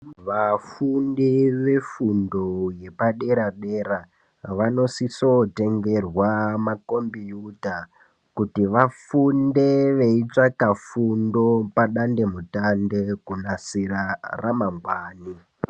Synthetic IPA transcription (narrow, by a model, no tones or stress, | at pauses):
ʋafundiʋe̞fundoje̞paɗe̞ɾaɗe̞ɾa | ʋano̞siso̞te̞ŋɡe̞rwamako̞mbijuta | kutiʋafunde̞ʋe̞it͡ʂakafundo̞paɗande̞mutande̞kunasiɾaramaŋɡwaːni